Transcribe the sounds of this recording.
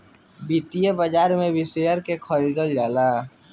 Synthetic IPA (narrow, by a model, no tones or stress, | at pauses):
bit̪ijəbəd͡ʒaːɾmẽbɪsejəɾkekʰəɾid̪əld͡ʒaːla